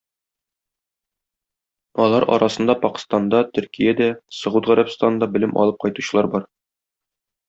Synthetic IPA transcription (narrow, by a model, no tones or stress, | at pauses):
ɒlˠɑɾʔɒ̰ɾʔɑsɤ̆nd̪ɑpɒqɤ̥̆st̪ɑnd̪ɑt̪ɵ̆ɾkijæd̪æsɤ̆ʁud̪ʁæɾæpst̪ɑnɤnd̪ɑbɘ̆lɘmʔɒ̰lˠɤp̚qɒjt̪u̥ɕɤlˠɑɾbɒɾ